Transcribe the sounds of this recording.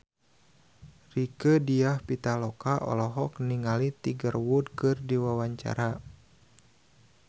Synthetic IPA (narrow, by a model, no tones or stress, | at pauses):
rikədiahpit̪alɔkaʔɔ̰lɔɦɔkniŋalit̪iɡərwudkɨrdiwawaɲt͡ʃa̰ɾa